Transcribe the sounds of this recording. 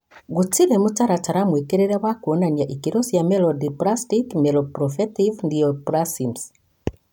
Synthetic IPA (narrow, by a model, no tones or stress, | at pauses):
ɡutilemutaɾataɾamwekeɾeɾawakuonanjaʔikiɾosjamelɔdiplastikmelɔpɾɔfetivndiopɾasims